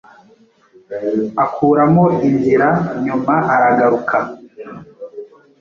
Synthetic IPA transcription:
akʰuːɾamoinziɾaɲumaʔaɾaɡaɾukʰa

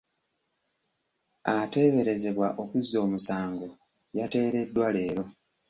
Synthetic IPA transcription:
ate̞ːβe̞ɾe̞ze̞βwaʔo̞kuzːo̞ːmusaːŋɡo̞ | jate̞ːɾe̞dːwale̞ːɾo̞

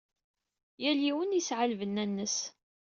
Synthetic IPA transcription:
jæliwənisʕalvənːænːəs

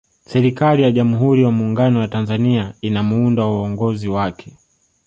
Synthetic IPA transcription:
sɛɾikalijaʄamuɦuɾijamuːŋɡanɔjatanzaniainamuundawuɔŋɡɔziwakʰɛ̥

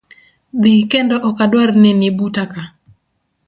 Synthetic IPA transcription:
d̪ikendɔʔɔkadwarnenɪbutaka

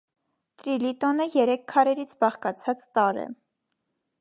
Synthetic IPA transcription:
t̪ɾilit̪ɔnəjɛɾɛkʰkʰːɑɾɛɾit͡sʰbɑχkɑt͡sʰɑt͡st̪ɑɾɛ̰

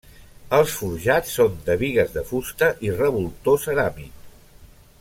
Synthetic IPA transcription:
əlˠsfuɾʒat͡sːond̪əβiɣəzðəfust̪əʔirəβulˠt̪osəɾamik

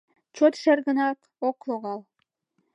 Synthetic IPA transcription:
t͡ɕot̪ʃĕrɣə̆nɑk | oklˠoɣɑlˠ

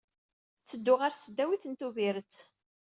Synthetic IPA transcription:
t͡sːəd̪ːʊʁaɾsəd̪ːæwiθənt̪uviɾət͡s

